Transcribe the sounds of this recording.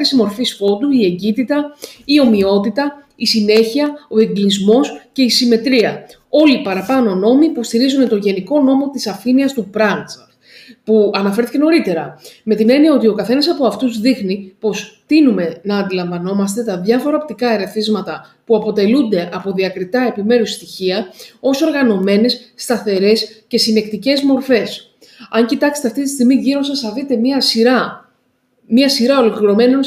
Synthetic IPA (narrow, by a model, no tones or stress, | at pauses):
isimo̞ɾfispo̞d̪uie̞ɲɟit̪it̪ɐio̞mio̞t̪it̪ɐ | isine̞çiɐo̞e̞ŋɡlizmo̞sce̞isime̞t̪ɾiɐ | o̞lipɐɾɐpɐno̞no̞mipost̪iɾizune̞t̪o̞ɲʝe̞niko̞no̞mo̞t̪isɐfiniɐst̪upɾɐns | puɐnɐfe̞ɾθice̞no̞ɾit̪e̞ɾɐme̞t̪ine̞niɐo̞t̪io̞kɐθe̞nɐsɐpo̞ɐft̪uzðixnipo̞st̪inume̞nɐːnd̪ilɐɱvɐno̞mɐst̪e̞t̪ɐðʝɐfo̞ɾɐop̚t̪ikɐeɾe̞θizmɐt̪ɐpuɐpo̞t̪e̞lund̪e̞ʔɐpo̞ðiɐkɾit̪ɐe̞pime̞ɾusst̪içiɐo̞so̞ɾɣɐno̞me̞ne̞sːt̪ɐθe̞ɾe̞sce̞sine̞kt̪ice̞zmo̞ɾfe̞s | ɐɲcit̪ɐksst̪e̞ɐft̪it̪i̥st̪iɣmiʝiɾo̞nsɐsθɐðit̪e̞miɐsiɾɐ | miɐsiɾɐo̞lo̞kliɾo̞me̞non